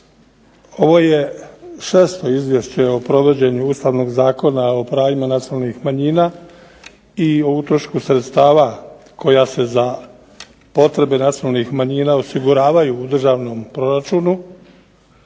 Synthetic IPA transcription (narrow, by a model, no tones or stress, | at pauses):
o̞ʋo̞je̞ʃe̞ːst̪o̞izʋje̞ʃt͡ɕe̞o̞pɾo̞ʋo̞d͡ʑe̞ɲuuːst̪aʋno̞ɡzaːko̞nao̞pɾaːʋimanat̪sialnixmaɲiːnaː | iout̪ɾoʃkusɾet̪st̪aːʋa | ko̞jase̞za | po̞t̪ɾe̞be̞nat̪sioalnixmaɲiːnao̞siɡuɾaːʋajuːd̪r̩ʒaːʋno̞mpɾo̞ɾat͡ʃuːnu